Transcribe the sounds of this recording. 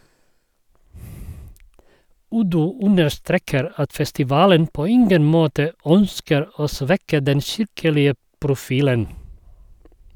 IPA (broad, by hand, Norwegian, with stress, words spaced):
ˈʉdʉ ˈʉnəʃˌtɾeːkəɾ ˈɑt fɛstɪˈʋɑːlən ˈpoː ˈɪŋɡən ˈmoːtə ˈœnskəɾ ˈoː ˈsʋɛkə ˈdɛn ˈʃɪɾkəlɪə pɾʊˈfiːlən